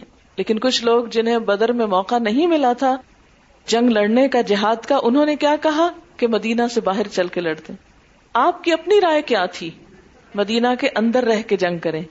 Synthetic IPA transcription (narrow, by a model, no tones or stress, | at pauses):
leːkɪnkʊt͡ʃʰloːɡd͡ʒɪnɦẽbɐd̪əɾmẽmɔːqanɐɦĩmɪlat̪ʰa | d͡ʒɐ̃ŋɡlɐɽnekad͡ʒɪɦaːd̪kaʔʊnɦõːnekjaːkɐɦakemɐd̪iːnasebaːɦɪɾt͡ʃɐlkelɐɽt̪ẽː | aːp̚kiɐpniɾaːjkjaːt̪ʰiː | mɐd̪iːnakeʔɐ̃nd̪əɾːɛɦked͡ʒɐ̃ŋɡ̚kɐɾẽː